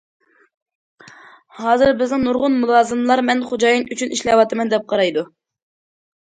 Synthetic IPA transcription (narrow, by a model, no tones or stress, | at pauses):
hɑːzɨɾbɪznɪŋnuɾʁʊnmulˠɑːzɨmlˠɑɾmɛnχod͡ʒɑːjinyt͡ʃʰyniʃlɛwɑt̪ɨmɛnd̪ɛp̚qʰɑɾɑjd̪u